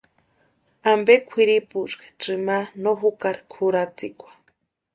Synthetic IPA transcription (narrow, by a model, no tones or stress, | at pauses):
ambekʷʰiɾiput͡ʃkḁʈ͡ʂɨmanoɦukaɾkʰuɾat͡sikʷḁ